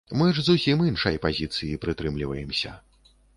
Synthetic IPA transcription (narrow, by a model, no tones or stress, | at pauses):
mɨʐzusʲiminʂɐjpazʲit̪sɨjipɾɨt̪ɾɨmlʲivɐjɛmsʲɐ̰